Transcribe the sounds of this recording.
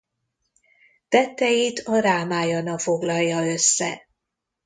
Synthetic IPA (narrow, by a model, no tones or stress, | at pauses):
t̪ɛt̪ːɛjit̪ʰɒɾaːmaːjɒnɒfo̞ɡlɒjːɒøsːɛ̰